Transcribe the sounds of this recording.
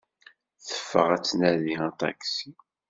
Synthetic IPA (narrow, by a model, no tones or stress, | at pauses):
θə̥fːə̰ʁæt͡sːnæðiɑt̪ˤɑ̰ksi